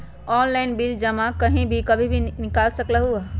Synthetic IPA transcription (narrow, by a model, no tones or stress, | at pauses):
ɔːnlaːnbiːd͡ʒd͡ʒɐmakɐɦĩbʱikɐbʱibʱinɪkaːlsɐklaɦua